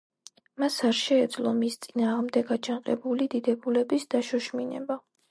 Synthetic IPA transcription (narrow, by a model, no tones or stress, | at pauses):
masaɾʃɛːd̪zlˠɔmist̪sʼinaːʁmd̪ɛɡat͡ʃʰanqʼɛbulid̪id̪ɛbulɛbisd̪aʃɔʃminɛ̰ba